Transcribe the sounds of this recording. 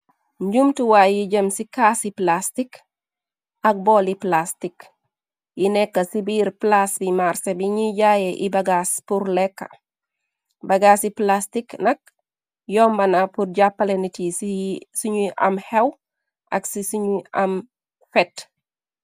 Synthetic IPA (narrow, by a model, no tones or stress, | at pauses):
ɲɟumtuwajiɟəmsikasiplastik | ʔɐk̚bɔːliplastik | jinɛkːɐsibiːɾplasbimarsebiɲiɟajeʔibaɡaspuɾlɛkːɐ̥̰ | bɐɡasiplastiknɐk̚ | jɔːmbɐnapurɟapːɐlenit | suɲuʔɐmhɛw | ʔɐksisiɲuɐm | fɛt